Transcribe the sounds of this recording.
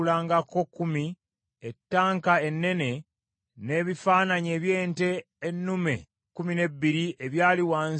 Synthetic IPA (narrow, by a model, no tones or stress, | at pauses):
laːŋɡako̞kːumi | etːaːŋkae̞nːe̞ne̞ | ne̞ːβifaːnaɲe̞ːβje̞ːnte̞ː | nːumḛ | kumine̞bːiɾieβjaːliwaːn